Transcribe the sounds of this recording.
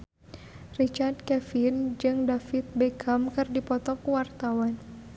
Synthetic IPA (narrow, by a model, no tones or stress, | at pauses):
rit͡ʃart̪̚kɛfind͡ʒɨŋdafit̪̚bɛkʰamkɨrdipɔt̪ɔkuwart̪awan